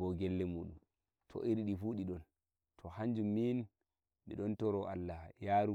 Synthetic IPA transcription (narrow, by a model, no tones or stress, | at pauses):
ɔɡɛlːɛmuːɗum | tʰɔ̰ʔiɾɗifuːɗiɗɔn | tʰɔhaɲd͡ʒumːin | ɓḭɗɔntɔɾɔʔa̰lːajaːɾu